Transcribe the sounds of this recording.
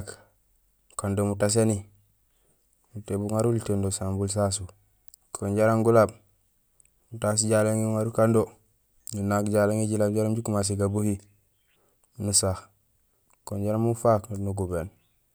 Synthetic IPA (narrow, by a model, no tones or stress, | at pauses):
k | kandomutas̬eni | mutebuŋaɾulitendosambuls̬as̬u | kʰoɲɟaɾaŋɡulab | mutas̬iɟaleŋiuŋaɾukando | nunakɟalaŋiɟilabd͡ʒaɾamɟukumas̬iɡabuhi | nusax | koɲɟaɾamufaknuɡuben